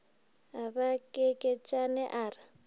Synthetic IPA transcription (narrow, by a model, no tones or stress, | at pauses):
abakʼekʼet͡ʃʼanɛʔaːrɪ